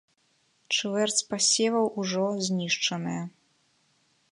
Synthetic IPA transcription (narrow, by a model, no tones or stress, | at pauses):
t͡ʂvɛrt̪t͡s̪ʲpasʲɛvɐwuʐɔzʲnʲiʂt͡ʂɐnɨjɐ